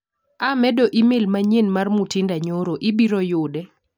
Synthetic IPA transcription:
amɛdoʔimelmaɲenmarmutɪndaɲoɾoʔibiɾojʊdɛ

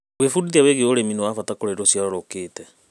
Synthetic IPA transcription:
wefudiðiaweɣeoɾeminɛwafatakoɾeɾosjaɾɔɾokeːtɛ

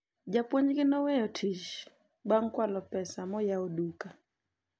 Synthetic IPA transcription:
d͡ʒapwoɲɡɪnɔwejɔtʰiʃ | baŋkwalɔpɛsamɔjaoduka

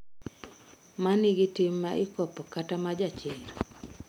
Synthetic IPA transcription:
manɪɡɪtɪmːaʔɪkɔpɔkatamad͡ʒat͡ʃɪr

